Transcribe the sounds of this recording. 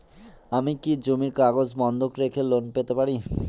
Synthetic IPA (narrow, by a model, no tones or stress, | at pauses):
amikid͡ʑomiɾkaɡod͡ʑbɔnd̪ʱokɾekʰelonpet̪epaɾi